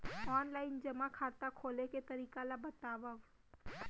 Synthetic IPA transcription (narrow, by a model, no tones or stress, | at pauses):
ɔːnlaːɪnd͡ʒɐmakʰaːt̪akʰoːleket̪ɐɾiːkalabɐt̪aːʋaʋ